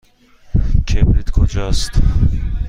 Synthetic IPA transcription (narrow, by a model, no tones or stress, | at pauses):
kʰebɾit̪kʰod͡ʒɔst̪